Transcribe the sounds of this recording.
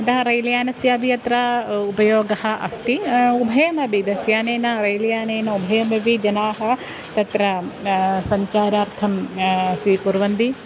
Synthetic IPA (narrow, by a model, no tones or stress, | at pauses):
ɐd̪ɐɦɐɾɐjljaːnɐsjaːbʱijɐt̪ɾɐupɐjoːɡɐhɐ̆ʔɐ̰st̪iubʱɐjɐmɐbid̪ɐsjaːneːnɐɾɐjlɐjaːneːnɐubʱɐjɐmɐʋid͡ʒɐnaːɦɐ | t̪ɐt̪ɾɐ | sɐɲt͡ʃaːɾaːɾt̪ʰɐmsʋiːpuɾʋɐnd̪i